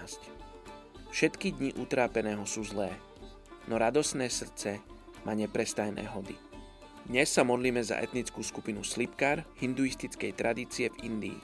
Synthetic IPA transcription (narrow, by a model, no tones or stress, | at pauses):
sc | fʃɛt̪kid̪ɲiʔut̪ɾaːpɛnɛːɦɔsuːzlɛː | nɔɾad̪ɔsnɛːsr̩t͡sɛ | mʔaːɲɛpɾɛst̪ajnɛ̰ːɦɔd̪i | d̪ɲɛsːamɔd̪liːmɛza̰ʔɛ̰t̪nit͡skuːskupinuslipkaːɾhind̪uist̪it͡skɛjt̪ɾʔad̪iːt͡siɛvind̪ḭː